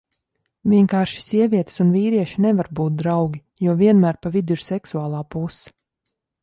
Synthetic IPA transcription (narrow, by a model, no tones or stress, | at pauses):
vʲiɛŋkaːɾʃi̥siɛvʲiɛt̪sunviːɾiɛʃinɛvaɾbuːt̪̚d̪ɾawɡʲi | juɔviɛnmæːɾpavid̪uiɾsɛksuaːlˠaːpus